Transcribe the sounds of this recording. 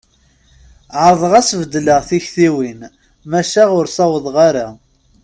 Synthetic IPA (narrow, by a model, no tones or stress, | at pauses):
ʕəɾˤðˤəʁæsvəd̪ːləʁθiçθiwin | mæʃaʁʊɾsɑwəðˤʁaɾa